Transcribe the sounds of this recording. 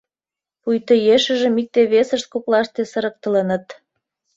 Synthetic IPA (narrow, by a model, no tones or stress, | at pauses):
pujt̪əjeʃə̆ʒəmik̚t̪eβesəʃt̪̚koklɑʃt̪esəɾək̚t̪ə̆lənət̪